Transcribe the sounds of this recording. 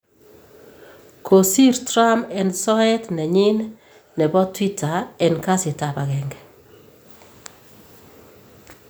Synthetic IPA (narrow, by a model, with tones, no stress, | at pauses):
kʰo˨si˦ɾtɾa˦mɛ˨nsɔ˦ɛ˦tnɛ˨ɲɪ˦n | nɛ˨bɔ˦twi˦ta˨ɛ˨nka˦sɪ˨ta˨ba˨ɣɛ˨ŋɡɛ